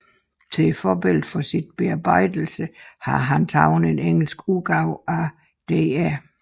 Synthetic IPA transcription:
t͡sʰe̝fɒːb̥e̝l̰ð̩ˠfɒ̽sid̥̚b̥e̝ɑ̈b̥ɑ̈ɪ̰d̥l̩səhɑ̈ɦænt͡sʰɑ̈ʊn̩e̝neŋ̰l̩sɡ̥uɡ̥ɑ̈ʊ̰æ | d̥eːæ

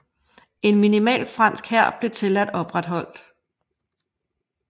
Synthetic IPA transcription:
e̝nminimɛ̰ːlfʁɑ̈n̰sɡ̥hæɐ̰b̥le̝t͡sʰe̝læd̥ɒ̽b̥ʁad̥ɦɒ̽l̰d̥

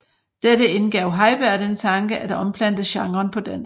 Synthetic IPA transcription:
d̥edəe̝nɡ̥ɛʊɦɑ̈ɪb̥æɐd̥ent͡sʰɑ̈ŋɡ̥əʔæd̥ɒ̽mpʰlæn̰d̥ð̩ˠɕɑ̈ŋʁɐnpʰɒ̽d̥æn

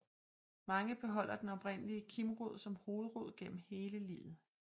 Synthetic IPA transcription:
mɑ̈ŋəb̥e̝ɦɒ̽l̰ɐd̥enɒ̽b̥ʁen̰əliəkʰimʁoð̞̰ˠsɒ̽mho̝ːð̞̩ˠʁo̝ð̞̰ˠɡ̥en̰m̩he̝ːləlḭːðð̩ˠ

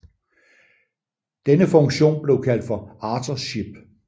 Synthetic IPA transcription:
d̥enəfɔ̽ŋɕo̝̰ːnb̥le̝ʊkʰæl̰d̥fɒ̽ɑ̈ːt͡sʰɐɕib̥

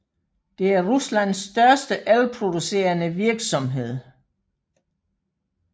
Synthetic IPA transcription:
d̥e̝æɐʁuslæn̰sːd̥ɶɐsd̥əʔælpʰʁo̝d̥use̝̰ːɐnəʋiɐɡ̥sɒ̽mɦe̝ð̞̰ˠ

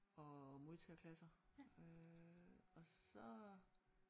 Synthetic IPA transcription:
ɒ̽mo̝ðˠt͡sʰɛɐkʰlæsɐø | ɒ̽sɒ̽

